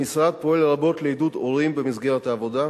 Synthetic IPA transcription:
isʁat̪̚poɛllabot̪liid̪ut̪olimbɛmizɡɛʁat̪aːvod̪a

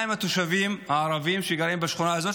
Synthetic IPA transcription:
imat̪uʃavimhaaɾˤavimʃeɡaɾimbaʃχunaazot

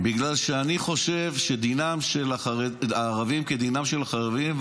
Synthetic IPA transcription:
biɡlalʃeaniχo̞ʃe̞vʃed̪inamʃelaeaːʁavimked̪inamʃelaχaʁevim

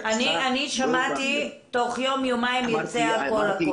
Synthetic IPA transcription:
anianiʃamat̪i | t̪oχjo̞mjomaimjot͡seakolak

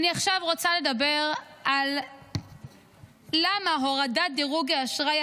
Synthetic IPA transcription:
aniaχʃavʁo̞t͡sale̞dabe̞ʁʔal | amaɦoʁadad̪iʁuɡeaʃʁaja

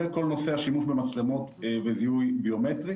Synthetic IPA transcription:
eko̞lno̞se̞aʃimuʃbemat͡slemot̪veziujbio̞met̪ʁi

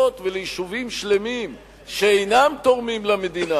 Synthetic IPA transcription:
ot̪velejiʃuvimʃle̞mim | ʃeejnamt̪oʁmimlame̞d̪ina

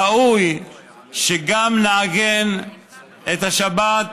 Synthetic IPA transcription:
auj | ʃeɡamnaːɡen | et̪haʃabat

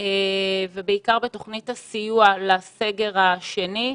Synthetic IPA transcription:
evebeikaʁbeto̞χnithasijualaseɡe̞ʁhaʃe̞ni

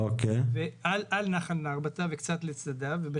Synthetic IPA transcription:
okevealʔalnaχalnaʁbat̪avekt͡sat̪let͡sad̪avebe

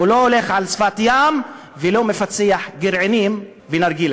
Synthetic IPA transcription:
uloole̞χʕalsfat̪jam | velomefat͡seaħɡiɾʕenim | venaɾɡil

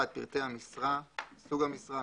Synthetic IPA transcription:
at̪̚pḭʁt̪ehamisʁasuɡhamisʁa

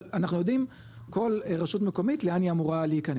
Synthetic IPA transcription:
anaχnujo̞dim | ko̞lʁaʃutmeko̞mitleaniamuʁaleikane

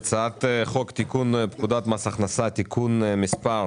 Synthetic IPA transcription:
t͡sat̪χɔkt̪ikunpkud̪at̪masaχnasat̪ikʰunmɪspaɾ

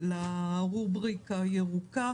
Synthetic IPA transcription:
laʁubʁikajeʁuka

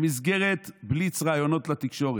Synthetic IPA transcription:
mizɡe̞ʁe̞t̪blit͡sʁaːjo̞no̞t̪lat̪ikʃo̞ʁe

